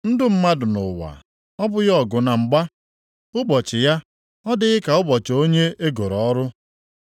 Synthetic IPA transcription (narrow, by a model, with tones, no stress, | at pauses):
n̩˦dʊ˦m̩˦ma˦dʊ˨nʊ̰˨wa̰˨ | ɔ˦bʊ˦ɣɔ˨ɡʊ˨na˨ŋ͡m̩˨ɡ͡ba˦ | ʊ˦bɔ˨t͡ʃɪ˨ja˦ | ɔ˦dɪ˦ɣɪ˦ka˨ʊ˦bɔ˨t͡ʃo˦ɲe˦e˦ɡo˨ɾɔ˨ɔ˦ɾʊ˦